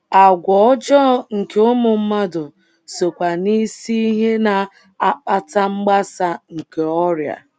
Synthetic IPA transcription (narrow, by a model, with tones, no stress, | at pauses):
a˨ɡʷɔ˨ɔ˦d͡ʒɔ˦˨ŋ̩˨ke˨ʊ˦mʊ˨m̩˦ma˦dʊ˨ | so˨kʷa˨ni˦si˦ɦe˦na˨ | a˦k͡pa˦˨ta˦ŋ͡m̩˦ɡ͡ba˦sa˨ŋ̩˨ke˨ɔ˦ɾja̰˨